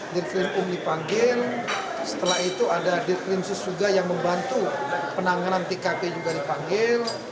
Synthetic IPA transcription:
dirk̪ɾɪnʊmdipaŋɡɪl | sə̥t̪əlahit̪uadadirk̪ɾɪnsɪsuɡajaŋməmbant̪upənaŋanant̪ekaped͡ʒuɡadipaŋɡɪl

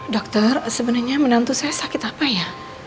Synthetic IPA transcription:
dɔk̚t̪ɔrsəbənarɲamənant̪usajasakɪt̪apaja

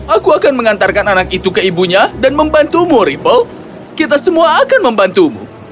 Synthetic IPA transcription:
akuakanməŋant̪arkananak̚it̪ukəibuɲadanməmbant̪umuɾipəl | kit̪̬asəmuaːkanməmbant̪umṵ

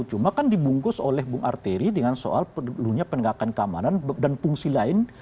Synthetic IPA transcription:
t͡ʃumakandibuŋkʊsolɛhbʊŋʔa̰rt̪eɾidəŋanso̰ʔaləluɲapənəŋɡakankamanandanpuŋsilaɪn

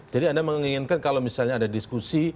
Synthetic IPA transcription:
d͡ʒadiandaməŋiŋɪnkankalawmisalɲaːdadiskusi

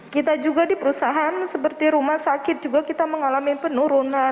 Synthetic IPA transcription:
kit̪ad͡ʒuɡadipəɾusaɦansəpərt̪iɾumahsakɪt̪̚d͡ʒuɡakit̪aməŋalamipənuɾuna

